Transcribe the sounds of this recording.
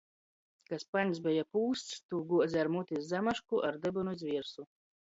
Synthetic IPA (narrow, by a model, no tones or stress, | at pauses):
kaspanʲs̬bɛjapuːst̪st̪uːɡuɔzʲaɾmut̪ʲis̬zamaʃkuʔaɾd̪ɨbɨnuzʲvʲiɛɾsu